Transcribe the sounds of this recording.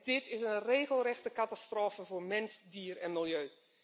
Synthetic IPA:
d̥ɪtɪsənreːɣəlˠrɛxtəkatastroːfəvoːɹmɛnzdiərɛnmɪlˠjøː

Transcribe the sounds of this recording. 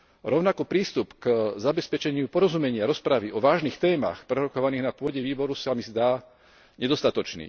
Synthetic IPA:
ɾɔʊnakɔpɾiːst̪upkzabɛspɛt͡ʃɛɲɪupɔɾɔzumɛɲɪaɾɔspɾaʋiʔɔʋaːʒniːxt̪ɛːma̰xpɾɛɾɔkɔʋaniːɣnapʊɔɟɛʋiːbɔɾusamizd̪aː | ɲɛd̪ɔst̪at̪ɔt͡ʃnḭː

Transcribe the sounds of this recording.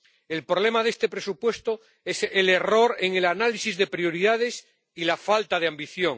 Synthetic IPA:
e̞lpɾoβle̞maðest̪e̞pɾe̞supwe̞st̪o | esele̞ro̞ɾeŋe̞lanalisizðe̞pɾio̞ɾiðaðe̞s | ilafalt̪aðeambiθjoŋ

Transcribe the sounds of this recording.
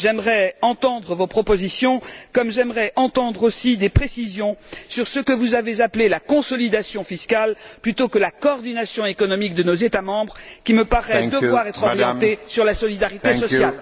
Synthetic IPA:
ʒɛmʁɛɑ̃t̪ɑ̃d̪ʁəvopχɔpozisjɔ̃kɔmʒɛmʁɛʔɑ̃t̪ɑ̃d̪ʁosid̪epχesizjɔ̃syʁsəkəvuzavezaplelakɔ̃sɔlid̪asjɔ̃fiskalplyt̪okəlakɔːʁd̪inasjɔ̃ekɔnɔmik̚d̪ənozet̪amɑ̃bʁkʲiməpaʁɛd̪əvwaʁɛt̪χɔʁjɑ̃t̪esyʁlasɔlid̪aʁit̪esɔsjal

